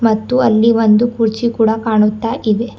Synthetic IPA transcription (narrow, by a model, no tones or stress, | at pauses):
mɐt̪ːuɐlːiʋond̪ukuɾt͡ʃikuːɽɐkaːɳut̪ːaːʔiʋe